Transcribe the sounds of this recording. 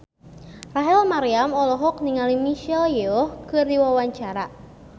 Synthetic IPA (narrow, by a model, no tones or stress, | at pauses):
raɦɛlmaɾiamɔlɔɦɔk̚niŋalimiʃɛljeɔhkɨrdiwawaɲt͡ʃaɾa